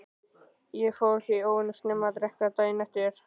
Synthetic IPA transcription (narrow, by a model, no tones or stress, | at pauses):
jɛɣfawɛhcɪioːwɪnʏst̪nɛmːat̪ɾɛhkat̪aːjnɛht̪jɛɾ̥